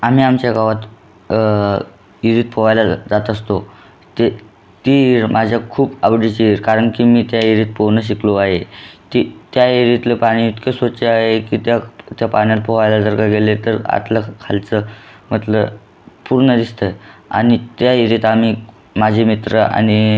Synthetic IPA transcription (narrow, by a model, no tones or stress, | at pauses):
am̤iːamt͡ɕjaɡaʋat̪ | iɾit̪̚pʰəʋajlad͡zat̪əst̪o | t̪e | t̪iiɾmʔad͡ʑʱjakʰuːpabɽit͡ɕiiɾkaɾəɳkimiːt̪jaiɾit̪̚poʋnəɕ̬ikloaɦet̪it̪jaiɾit̪ləpaɽ̃iit̪kesʋət͡ɕeaɦekit̪jat̪japanjal̚pəʋajlad͡zəɾɡaɡelet̪əɾa̰t̪ləkʰalt͡səm̤ət̪lə | puɾɳəd̪ist̪əja̰nit̪jaiɾit̪am̤i | mad͡ʑʱemit̪ɾəa̰ñi